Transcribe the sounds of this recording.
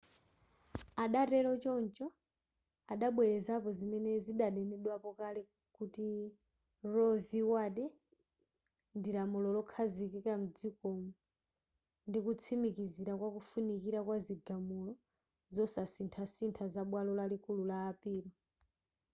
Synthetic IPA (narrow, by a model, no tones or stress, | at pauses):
aɗatɛlɔt͡ʃɔnt͡ʃɔ | aɗaɓwɛɾɛzapɔzimɛnɛziɗaɗɛnɛɗwapɔkalɛ | kuti | ɾɔviwaɗɛ | ndilamulɔlɔkʰazikikam̩d͡zikɔmɔ | ndikut͡sʰimikiziɾakwakufunikiɾakwaziɡamulɔ | zɔsasintʰasintʰazaɓwalɔlalikululaːpiːɾɔ